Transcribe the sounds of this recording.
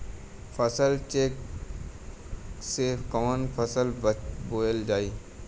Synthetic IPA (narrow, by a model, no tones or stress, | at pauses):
fʰəsəlt͡ʃeːk | sekɔmənpʰəsəlboːəld͡ʒaːiː